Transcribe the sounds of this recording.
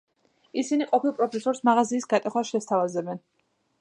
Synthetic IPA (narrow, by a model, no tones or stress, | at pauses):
isiniqʼɔpʰilˠpʼɾɔpʰɛsɔɾsmaʁaziːsɡat̪ʼɛχwasʃɛst̪ʰavazɛbɛn